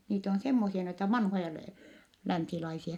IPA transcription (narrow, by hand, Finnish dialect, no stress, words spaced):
niːt on semːosiɑ noitɑ ʋɑnhojɑ læ lænsilɑisiɑ